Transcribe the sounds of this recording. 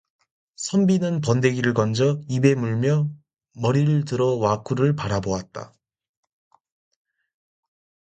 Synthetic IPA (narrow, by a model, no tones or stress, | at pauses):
sʰʌmbinɯnpʌnde̞ɡiɾɯɭɡʌnd͡ʑʌibe̞muɭmjʌ | mʌɾiɾɯɭtɯɾʌwakʰuɾɯɭpaɾaboat̚t͈a̰